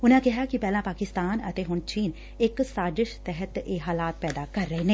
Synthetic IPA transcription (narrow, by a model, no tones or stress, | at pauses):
ʊnãːkɪɦaːkɪpɛːlãːpaːkɪst̪aːnət̪eːɦʊɳt͡ʃiːn | ɪksaːd͡ʒɪʃt̪ɛɦət̪eːɦaːlaːt̪̚pɛːd̪aːkəɾːəeːneː